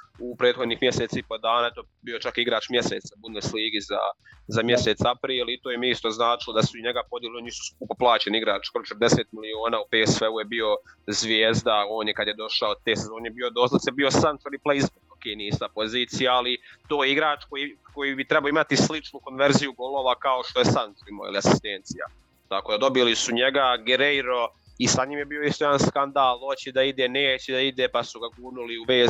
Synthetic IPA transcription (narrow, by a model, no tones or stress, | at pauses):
upɾe̞ːd̪xo̞d̪nixmjeset̪saipo̞d̪aːnaet̪o | bio̞t͡ʃakiɡɾaːt͡ʃmje̞seːt̪sabudnesliːɡiza̰zamje̞se̞t̪sapɾiːlit̪oːjemiist̪oznaːt͡ʃilo̞d̪asuiɲeɡapo̞d̪jelionisu̥sk̚uːpoplˠaːt͡ɕeniiɡɾa̰ːt͡ʃi̥kɾot͡ʃɾd̪e̞seːt̪̚milio̞ːnaːupesʋeujebio̞zʋjeːzd̪ao̞ːnjekad̪jed̪o̞ʃaot̪e̞ːsezo̞ːnebiod̪o̞ːsat̪sebio̞sant̪eɾipleizbookeniist̪apo̞ziːt̪sijaːlit̪oːjiɡɾaːt͡ʃkojiko̞jibit̪ɾɛbaoimat̪islit͡ʃnuko̞nʋe̞ɾzijuɡo̞lˠo̞ːʋakao̞ʃt̪o̞jesantoimo̰ḭliasi̥st̪ent̪sija̰ | t̪ako̞ːd̪ad̪o̞bilisuɲeɡaɡeɾejɾo̞ | isaɲiːmjebiːo̞ist̪ojanskand̪aːlˠo̞t͡ɕid̪aid̪eːneːt͡ɕɛd̪aid̪epasuɡaɡuːnuliuʋeːz